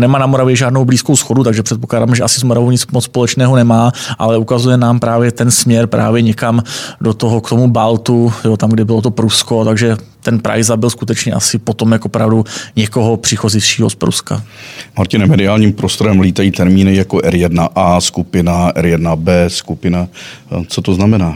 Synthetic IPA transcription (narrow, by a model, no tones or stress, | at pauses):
nɛmaːnamoɾavjɛʒaːdno̞wbliːskowsxo̞dut̪aɡʒɛpr̥ɛt̪̚poklaːdaːmʒɛʔasɪzmoɾavowɲɪt͡smot͡sspo̞lɛt͡ʃnɛːɦonɛmaːʔalɛukazujɛnaːmpɾaːvjɛt̪ɛnsmɲɛɾpɾʔa̰ːvjɛɲɛkamdot̪oɦokt̪o̞mubalt̪ujot̪amɡdɛbɪlo̞t̪̬o̞pɾusko̞t̪aɡʒɛt̪ɛnpɾa̰jzabɪlskut̪ɛt͡ʃɲɛʔasɪpo̞t̪omjakʔopɾavduɲɛko̞ɦo̞pr̥ɪxozɪʃiːɦo̞spɾṵska̰maɾcɪnɛmɛdɪaːlɲiːmpɾost̪o̞ɾɛmliːt̪ajiːt̪ɛɾmiːnɪjakoʔɛɾjɛdnaʔaːskupɪnaʔɛ̰ɾjɛdnabɛːskupɪnat͡sot̪oznamɛnaː